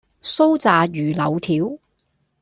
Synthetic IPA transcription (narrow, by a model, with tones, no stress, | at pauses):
so˥wt͡saː˨jyː˨˩lɐ˨˧wt̪ʰiː˨˥w